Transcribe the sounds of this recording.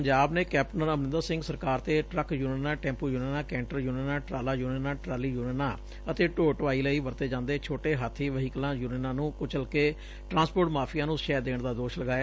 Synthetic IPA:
əɲd͡ʒaːbneːkɛːp̚ʈnənəmnɪ̃nd̪əɾsɪ̃ŋɡsəɾkaːɾt̪eːʈɾəkjuːneːnãːʈɛ̃ːmpuːjuːneːnãːkɛ̃ːɳʈəɾjuːneːnãːʈɾaːlaːjuːneːnãːʈɾaːliːjuːnenaː | ət̪eːʈoːʈʋaːiːləiːʋəɾt̪eːd͡ʒãːnd̪eːt͡ʃʰoːʈeːɦat̪ʰːiːʋəɦiːkəlãːjuːneːnãːnũːkʊt͡ʃəlkeː | ʈɾãːnspoːʈmaːpʰijãːnũːʃɛːd̪eːɳd̪aːd̪oːʃləɡaːjaː

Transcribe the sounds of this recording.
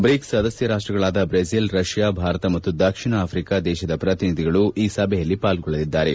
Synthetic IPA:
bɾiksɐd̪ɐsjɐɾaːʂʈɾɐɡɐɭaːd̪ɐbɾezilɾɐʂjaːbʱaːɾɐt̪ɐmɐt̪ːud̪ɐkʂiɳɐaːpʰɾikaːd̪ɛːʃɐd̪ɐpɾɐt̪inid̪ʱiɡɐɭuʔiːsɐbʱɛjɐlːipaːlɡɔɭːɐd̪id̪ːaːɾe

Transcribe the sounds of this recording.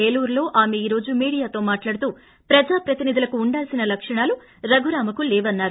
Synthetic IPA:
eːluːɾlo̞ːʔaːme̞iːɾo̞ːd͡ʒumiːɽijaːt̪o̞ːmaːʈlaːɽut̪uː | pɾɐd͡ʒaːpɾɐt̪inid̪ʱulɐkuːɳɖaːlsinɐlɐkʂɐɳaːlu | ɾɐɡʱuɾaːmɐkulɛːʋɐnːaːɾu

